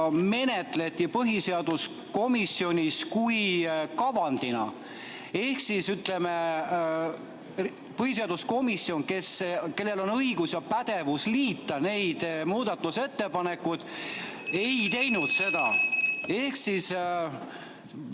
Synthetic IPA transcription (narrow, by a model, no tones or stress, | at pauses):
me̞ne̞t̪le̞t̪ʲːˑipɤɦise̞ɑd̪us | ko̞misːio̞nʲiskujkɑvɑnd̪̥inɑ̰ | ehksisyt̪ˑle̞me | pɤhise̞ɑd̪̥usko̞misːio̞ŋke̞ske̞lːe̞lo̞nɤiɡ̥usjɑpæd̪̥e̞vusliːt̪ːɑne̞jd̪̥muːd̪̥ɑt̪ːˑuse̞t̪ːe̞pɑne̞kːˑud̪̥ | e̞jt̪e̞jnud̪̥se̞d̪ɑ̰e̞hksis